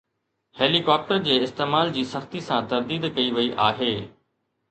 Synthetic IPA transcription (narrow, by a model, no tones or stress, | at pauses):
heːlikaːp̚ʈəɾd͡ʑeːɪst̪eːmaːld͡ʑiːsɐxt̪isãt̪ɐɾd̪iːd̪kɐiʋɐiʔa̰ːɦeː